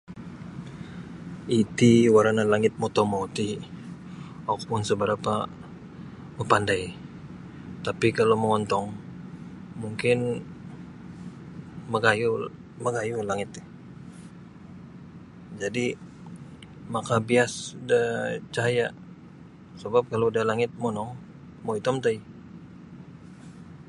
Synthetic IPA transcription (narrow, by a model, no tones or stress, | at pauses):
it̪iwaɾanalaŋɪt̪̚mɔt̪ɔmout̪i | ak̚pʊnsəbəɾapa | məpandaj | t̪apikaloməŋɔnt̪ɔŋ | muŋkɪn | məɡaju | məɡajulaŋɪt̪ːɪ | d͡ʒadi | makabiasdat͡ʃaɦaja | səbap̚kalodalaŋɪt̪̚monɔŋ | moit̪ɔmt̪ai